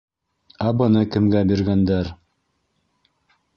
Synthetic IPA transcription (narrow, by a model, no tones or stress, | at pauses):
æbɤ̆nɤkɘ̆mɡæbiɾɡænd̪æɾ